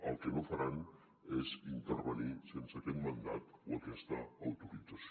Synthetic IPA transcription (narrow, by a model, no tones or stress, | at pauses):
alt̪enofaɾan | esint̪erβanisent͡sak̪enmand̪at̪ot̪est̪aːwt̪okit͡s̪as